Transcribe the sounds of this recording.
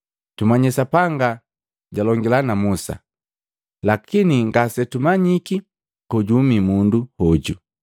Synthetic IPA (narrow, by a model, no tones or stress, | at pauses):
tumaɲɛsapaŋɡa | ɟalɔŋɡilanamusa̰ | lakʰiniŋɡasɛtumaɲiki | kɔɟumimunduhɔɟu